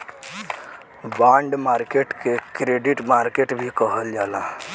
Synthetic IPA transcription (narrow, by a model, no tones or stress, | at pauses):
bãːɳɖmaːɾkeʈkekɾeɖiʈmaːɾkeʈbʱikəɦəld͡ʒaːla